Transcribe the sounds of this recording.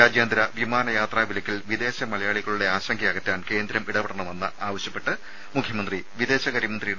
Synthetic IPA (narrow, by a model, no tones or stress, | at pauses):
ɾaːd͡ʑjɐːnd̪ɾɐʋimaːnɐjaːt̪raːʋilɐkʲːilʋid̪e̞ːɕɐmɐlɐjaːɭiɣɐɭuɽe̞aːɕɐŋɡɐɐɣɐt̪ːaːnke̞ːnd̪ɾɐmiɽɐpeɽɐɳɐme̞nːɨaːʋɐɕjɐpːe̞ʈːɨ | mukʰjɐmɐnd̪riʋid̪e̞ːɕɐɣɐɾiɐmɐnd̪rij